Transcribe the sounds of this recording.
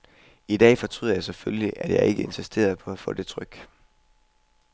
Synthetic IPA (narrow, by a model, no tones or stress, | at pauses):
id̥ɛ̰ːfɒ̽t͡sʰʁy̰ð̰ˠjɑ̈ɪsefølliʔæd̥jɑ̈ɪʔe̝ɡ̥əe̝nsisd̥e̝̰ːɐð̞ˠpʰɒ̽æfɔ̰̽ːd̥e̝t͡sʰʁœɡ̥